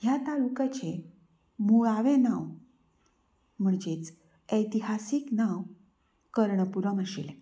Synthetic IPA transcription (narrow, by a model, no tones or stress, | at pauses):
ɦjat̪alukat͡ɕe | muɭaʋẽnaw | m̤əɳd͡ʑet͡s | əjt̪iɦasiːknaw | kəɾɳəpuɾəməsḛl